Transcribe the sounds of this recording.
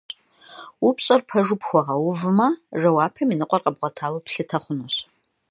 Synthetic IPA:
upɕʼɐrpʰɐʒʊpxʷɔʁɐwʊvmɐʒɐwaːpʰɐminɨqʷɔrqɐbʁʷɔtʰaːwɐpɬɨtʰɐχʷʊnoɕ

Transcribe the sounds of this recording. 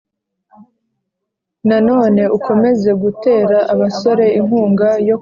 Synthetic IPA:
nano̞ːne̞uko̞me̞ze̞ɡute̞ːɾaʔaβaso̞ɾe̞iŋhuːŋɡajo̞

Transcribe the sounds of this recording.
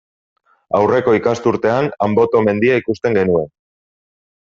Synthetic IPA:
awre̞ko̞ikast̪uɾt̪e̞anambo̞t̪o̞me̞nd̪iaikust̪e̞ŋɡe̞nue̞n

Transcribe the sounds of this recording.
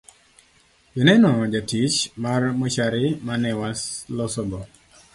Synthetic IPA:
jɔnɛnɔd͡ʒatit͡ʃmarmot͡ʃaɾɪmanɛwaslɔsɔbɔ

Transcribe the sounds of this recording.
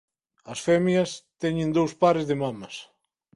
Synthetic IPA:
ɐsfɛmjɐst̪ɛɲẽnd̪owspaɾezðemamɐs

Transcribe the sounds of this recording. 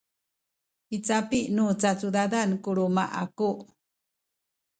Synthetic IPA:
it͡sapiʔnut͡sat͡sudadankuɾumaʔakuʔ

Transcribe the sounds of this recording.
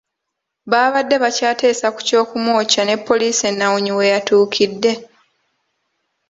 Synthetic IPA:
βaːβadːe̞βacaːte̞ːsaku̥co̞ːkumwo̞ːcane̞pːo̞liːse̞nːawuɲiwe̞jatuːkʰidːe̞

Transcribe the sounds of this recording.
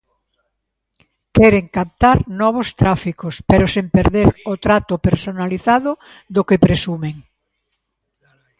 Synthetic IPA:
kɛɾeŋkap̚t̪aɾnɔβ̞ost̪ɾafikospeɾosempeɾðeɾot̪ɾat̪ʊpeɾsonaliθaðʊ | ðokepɾesumeŋ

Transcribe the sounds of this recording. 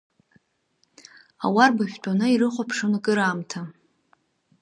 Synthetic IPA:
a̰warbaʃᶣtʷʼanaiɾɨχʷapʰʂɨnakʼɨɾaːmtʰa

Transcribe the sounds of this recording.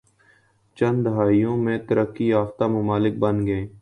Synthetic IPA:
t͡ʃə̃nd̪əɦaːijõːmẽːt̪əɾəkːiːaːft̪aːməmaːlɪk̚bənɡəeː

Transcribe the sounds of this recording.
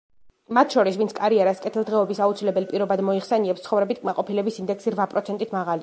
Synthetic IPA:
mat̪ʰʃɔɾisvint̪ʰkʼaɾiɛɾaskʼɛt̪ʰilˠd̪ʁɛɔbisaut̪sʰilɛbɛlpʼiɾɔbad̪mɔiχsɛniɛpst̪ʰχɔvɾɛbit̪ʰkʼmaqʼɔpʰilɛbisind̪ɛksiɾvapʼɾɔt̪sʰɛnt̪ʼit̪ʰmaʁali

